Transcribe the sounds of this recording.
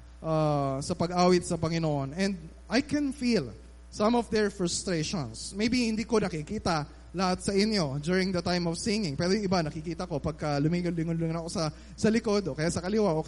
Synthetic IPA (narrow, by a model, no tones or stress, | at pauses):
ʔaːsɐpɐɡʔaːwɪt̪̚sɐpɐŋɪnoʔonɛ̃nd̪̚ | ʔajkɛ̃nfil | sɐ̃mɔfd̪ɛɹfɹɐst̪ɾeʃõ̰nsmejbihɪnd̪iːko̞nɐkiɪkiːt̪ɐ | lɐhat̪̚sɐʔɪnjo̞d̪uɹɪŋd̪ɐt̪ajmɔvsɪŋɪ̃ŋpɛːɾojʊŋʔɪbanɐkɪkiːt̪ɐko̞pɐɡ̚kɐlʊmiŋʊnlɪŋʊnlɪŋʊnɐkosɐ | sɐlɪko̞d̪okɐjaʔsɐkɐlɪwaʔo